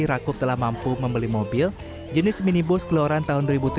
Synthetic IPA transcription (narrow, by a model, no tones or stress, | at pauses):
iɾakʊp̚t̪əlahmampuməmbəlimobɪl | d͡ʒənɪsminibʊskəloaɾant̪aɦʊnduəɾibut̪u